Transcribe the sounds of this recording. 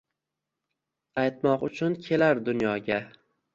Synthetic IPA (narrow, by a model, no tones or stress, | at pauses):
ajt̪mɒqʊt͡ʃʰʊnkʲʰe̞laɾd̪ʊnjɒɡʲa